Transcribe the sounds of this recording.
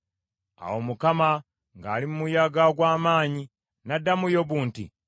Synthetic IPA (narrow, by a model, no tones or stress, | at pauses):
a̰womukama | ŋɡaːlimumujaɡaɡwaːmaːɲi | nadːamujoβuːntḭ